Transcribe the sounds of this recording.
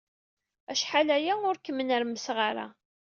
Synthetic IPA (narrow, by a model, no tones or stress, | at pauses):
æʃħalæjæʊɾkːəmːənəɾməsʁaɾa̰